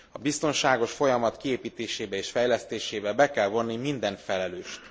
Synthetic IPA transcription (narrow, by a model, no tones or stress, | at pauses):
ɒbist̪o̞nʃaːɡo̞ʃfo̞jɒmɒt̪kieːpiːt̪eːʃeːbɛeːʃfɛjlɛst̪eːʃeːbɛbɛkɛlvo̞nːimind̪ɛnfɛlɛløːʃt̪